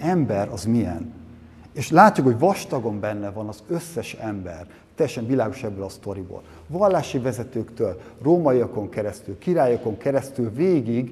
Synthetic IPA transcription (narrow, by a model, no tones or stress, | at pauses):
ɛmbɛɾɒzmiɛ̰n | eːʃlaːc̪ːukhoɟvɒʃt̪ɒɡo̞mbɛnːɛvɒnɒzø̞sːɛʃɛmbɛr | t̪ɛjːɛʃɛɱvilaːɡo̞ʃɛbːølɒst̪o̞ɾibo̰ːl | vɒlːaːʃivɛzɛt̪øːkt̪øːlroːmɒiɒko̞ŋkɛɾɛst̪ylkiɾaːjoko̞ŋkɛɾɛst̪ylveːɡiɡ